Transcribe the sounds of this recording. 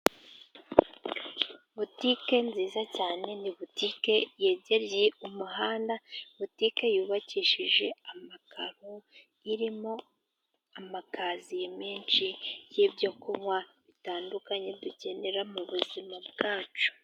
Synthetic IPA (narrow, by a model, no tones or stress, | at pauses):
βutike̞nziːzacaːne̞niβutike̞je̞ːɟe̞ɾjeumuɦaːndaβutike̞juːβaciːʃiʒe̞amakʰaɾo | iɾimo̞ | amakazijemiːnt͡ʃijibjo̞kuŋwaβitaːndukaɲe̞duce̞ne̞ɾamuβuzimabɡaːt͡ʃu̥